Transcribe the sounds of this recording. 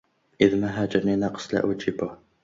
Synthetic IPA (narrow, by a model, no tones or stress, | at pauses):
ʔɪðmaɦaːd͡ʒɪɾˤninɑqsˤla̰ʔʊd͡ʒɪbʊh